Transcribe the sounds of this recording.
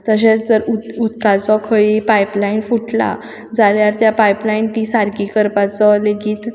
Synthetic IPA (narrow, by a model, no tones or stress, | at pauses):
t̪əɕet͡sd͡zəɾuut̪kat͡sɔkʰəipaiplainfuʈla̰ | d͡zaljaɾt̪japajplaint̪iːsaɾkiːkəɾpat͡sɔleɡiːt̪